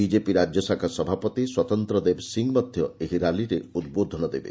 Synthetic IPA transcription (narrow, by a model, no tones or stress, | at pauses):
id͡ʒepiɾad͡ʒjɔsakʰasɔbʱapɔt̪iswɔt̪ɔnt̪ɾɔd̪ebsiŋmɔd̪ʱjɔeɦiɾaliɾeud̪̚bod̪ʱɔnɔd̪ebḛ